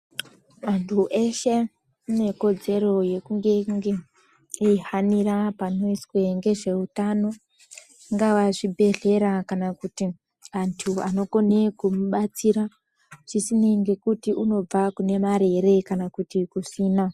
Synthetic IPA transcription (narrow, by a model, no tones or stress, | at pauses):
mantʰuʔe̞ʃe̞ | une̞ko̞d͡ze̞ɾo̞je̞kuŋɡe̞ŋɡe | ihaniɾapano̞iswe̞ŋɡe̞ʐe̞utano̞ | ŋɡawaʐibʱe̞ɮe̞ɾakanakuti | antʰuano̞ko̞ne̞kumuɓat͡siɾa | ʐ̥isineŋɡe̞kutiʔuno̞b͡vakune̞maɾe̞ɾe̞kanakutikusiːna